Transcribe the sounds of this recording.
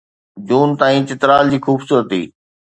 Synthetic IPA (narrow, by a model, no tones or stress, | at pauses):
d͡ʑuːnt̪aːĩːt͡ɕɪt̪ɾaːld͡ʑiːxuːbsuːɾət̪ḭː